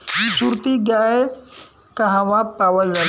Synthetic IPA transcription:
jisuɾt̪iɡae | kɐ̃ɦãʋãpaːʋəlːɐ

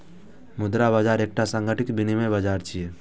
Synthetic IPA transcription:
mʊd̪ɾabəd͡ʒaːɾeːk̚ʈasə̃ŋɡʱəʈɪkbinimẽbəd͡ʒaːɾt͡ʃʰije

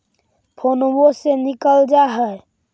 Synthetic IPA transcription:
pʰonobosenɪkəld͡ʒaɦɛ

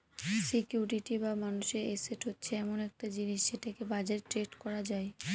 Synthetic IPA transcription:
sikjuɾɾiʈibamanuʃeɾeseʈɦotːɕʰeɛmonɛk̚ʈad͡ʑiniʃːeʈakebad͡ʑaɾʈɾeʈkɔɾad͡ʑae

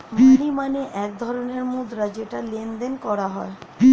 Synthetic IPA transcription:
manimaneʔɛk̚d̪ʱɔɾoneɾmod̪ɾad͡ʑeʈalend̪enkɔɾaɦɔe

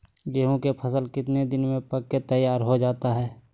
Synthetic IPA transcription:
ɡeːɦõkepʰəsəlkɪt̪ned̪ɪnmẽpɐkkːet̪əjaːɾɦod͡ʒaːt̪aɦɛː

